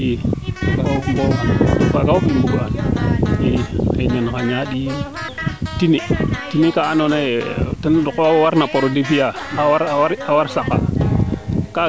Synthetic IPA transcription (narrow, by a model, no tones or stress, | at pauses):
iɡambokaɡaubimbuɡaniɾiɲankaɲaɗi | tinitinikaːnonetindukwawaɾnapoɾodifijaaaɾaawaɾsaka̰ | ka